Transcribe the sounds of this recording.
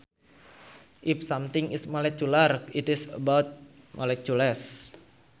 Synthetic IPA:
ʔifsamt̪ɪŋismalɛkjularkitisəbawt̪̚ | malɛk̚uləs

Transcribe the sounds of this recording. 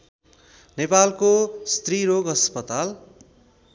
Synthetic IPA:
nepalkost̪riɾoɡʌspʌt̪al

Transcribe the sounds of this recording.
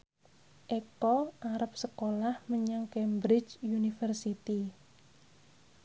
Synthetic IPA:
ʔekɔʔaɾəp̚səkolahməɲaŋkɛmbɾɪt͡ʃunifərsit̪i

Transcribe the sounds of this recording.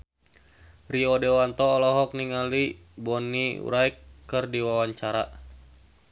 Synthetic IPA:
riɔdɛwant̪ɔːlɔɦɔk̚niŋali | bɔniṵɾaikːərdiwawaɲt͡ʃaɾa

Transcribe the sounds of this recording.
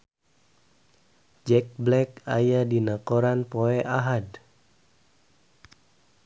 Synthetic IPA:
d͡ʒɛk̚blɛk̚ajadinakoɾanpoɛʔaɦad

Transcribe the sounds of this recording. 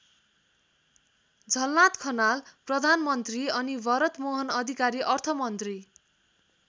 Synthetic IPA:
d͡zʱʌlnat̪kʰʌnalprʌd̪ʱanmʌnt̪riʌnibʱʌɾʌt̪moɦʌnʌd̪ʱikaɾiʔʌrt̪ʰʌmʌnt̪ri

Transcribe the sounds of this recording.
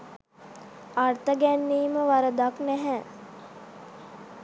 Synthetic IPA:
art̪əɡænːiːməʋaɾəd̪aknæɦɛ

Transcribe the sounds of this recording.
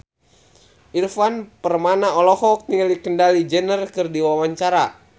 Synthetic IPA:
ʔirfanpərmanaɔlɔhɔk̚nilikəndalid͡ʒənərkɨrdiwawaɲt͡ʃaɾa

